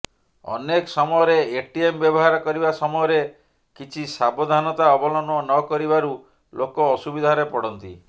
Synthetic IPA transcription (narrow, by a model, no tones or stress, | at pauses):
ɔ̰nekɔsɔmɔjɔɾeeʈiembjɔbɔɦaɾɔkɔɾibasɔmɔjɔɾe | kit͡ʃʰisabod̪ʱanɔt̪aɔbɔlɔnɔnɔkɔɾibaɾu | lokɔːsubid̪ʱaɾepɔɽɔnt̪ḭ